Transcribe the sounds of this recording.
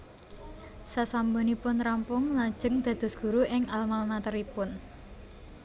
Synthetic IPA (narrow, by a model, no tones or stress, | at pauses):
sasambonipʊnɾampʊŋlḁʒ̥ə̤ŋd̪̥ä̤d̪̥ɔ̤sɡ̥ṳɾuʔɪŋalmalmat̪əɾipʊn